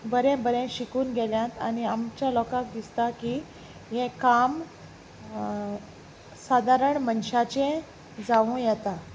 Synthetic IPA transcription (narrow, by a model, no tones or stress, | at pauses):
bəɾɛ̃bəɾɛ̃ɕikuːnɡʱɛljãt̪añiamt͡ɕjalɔkak̚d̪ist̪akiː | jɛ̃kam | sad̪ʱaɾəɳmənɕat͡ɕẽ | d͡zaʋũjɛt̪a